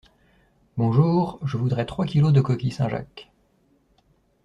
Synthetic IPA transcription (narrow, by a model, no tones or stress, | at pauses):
bɔ̃ʒuːʁʒəvud̪ʁɛt̪χwakʲilod̪əkɔkʲisɛ̃ʒa̰k